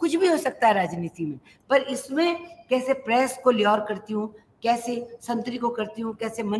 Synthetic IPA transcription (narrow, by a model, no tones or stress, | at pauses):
kʊt͡ʃʰbʱiɦoːsɐk̚t̪aɦɛɾaːd͡ʒniːt̪imẽ | pɐɾɪsmẽkɛːsepɾɛːskoliɔːɾkɐɾt̪iɦũ | kɛːsesɐ̃nt̪ɾikokɐɾt̪iɦũkɛːsemɐ